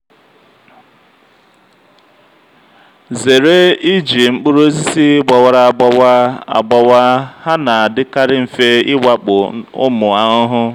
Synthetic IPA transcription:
ze˨ɾe˦i˦d͡ʒi˨ŋ͡m̩˦k͡pʊ˦ɾu˦e˦zi˦si˦ɡ͡ba˨wa˨ɾa˨a˨ɡ͡ba˦wa˦a̰˨ɡ͡ba˨wa˦ha˦na˨a˨dɪ˦ka˦ɾɪ˦m̩˨fe˦ɪ˦wa˦k͡pʊ˨ʊ̰˦mʊ˨a˦ʊ˦ɦʊ˦

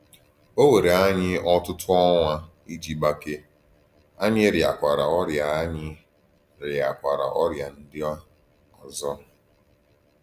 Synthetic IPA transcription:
o˦we˨ɾe˨a˦ɲɪ˦ɔ˦tʊ˦tʰʊ˦ɔ˦ŋʷa˦ | i˦d͡ʒi˦ɡ͡ba˦ke˦ | a˦ɲɪ˦ɾja̰˨kʷa˨ɾa˨ɔ˦ɾja˨a˦ɲɪ˦ | ɾja˨kʷa˨ɾa̰˨ʔɔ˦ɾja˨n̩˦dɪ˦ | ɔ˨zɔ˦

